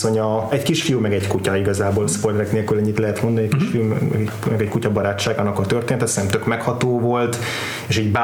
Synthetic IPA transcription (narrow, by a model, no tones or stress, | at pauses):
o̞ɲɒɛckiʃfijumɛɡɛckucɒiɡɒzaːboːlspojlɛɾɛkneːlkylɛɲːit̪lɛɦɛt̪mond̪ɒniɛkiʃfijuɛ̰ɡɛ | mɛɡɛckucɒbɒɾaːt͡ʃːaːɡanɒkɒt̪ørt̪eːnt̪ɛt̪snɛmt̪økmɛkhɒt̪oːvo̞lt̪ | eːʃiːɟba